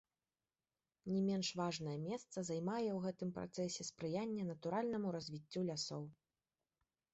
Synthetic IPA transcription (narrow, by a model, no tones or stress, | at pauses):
nʲɛmʲɛnʂvaʐn̪ɐjɐmʲɛst̪sɐzajmajɛwɣɛt̪ɨmpɾa̰t̪sɛsʲɛspɾɨjanʲːɐnɐt̪uɾalʲnɐmuɾɐzʲvʲit͡sʲːulʲasɔw